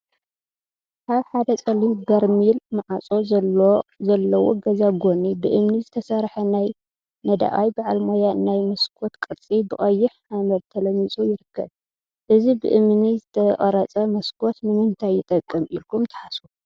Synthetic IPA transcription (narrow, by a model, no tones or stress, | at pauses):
kʰaβħad̪ɐt͡sʼɐlibɐɾmilmaʕat͡sʼo̞ | zɐlːɐwo̰ɡɐzaɡo̞nibɨʔɨmnizɨt̪ʰɐsɐɾħɐnaj | nɐd̪a̰ʔa̰jbaʕalmojaɨnajmɐskʰo̞t̪kʼɨɾt͡sʼibɨχʼɐjːɪħʔamɐβt̪ʰɐlɐmit͡sʼujɪɾɨkʰːɐ̰β | ʔɨzibɨ̰ʔɨmnizɨt̪ʰɐχʼɐɾɐt͡sʼɐmɐskʰo̞t̪nɨmɨnt̪ʰajːɪt̪ʼɐkʼːɨmilkʰumt̪ʰɐ̥ħasu